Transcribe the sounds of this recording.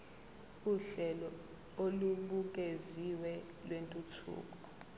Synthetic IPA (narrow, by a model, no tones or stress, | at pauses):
uɬɛlɔ | oluɓuk̬ʼeziwɛ | lwentʼutʰṵːk̬ʼɔ̥